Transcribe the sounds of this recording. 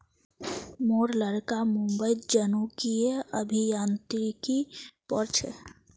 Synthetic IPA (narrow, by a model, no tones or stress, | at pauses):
moɾləɾkamũmbəjd͡ʒənukieəbʱijant̪ɾikipɔɾt͡ʃʰḛ